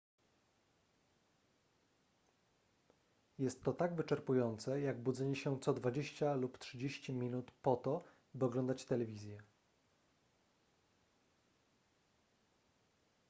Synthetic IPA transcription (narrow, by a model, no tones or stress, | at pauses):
jɛst̪ːɔt̪aɡvɘt͡ʂɛɾpujɔnt̪sɛjaɡbud̪zɛɲɛɕɛt̪sɔd̪vad͡ʑeɕt͡ɕaluptʂɘd͡ʑeɕt͡ɕimʲinut̪pɔt̪ɔ | bɘɔɡlɔnd̪at͡ɕt̪ɛlɛvʲizʲjɛ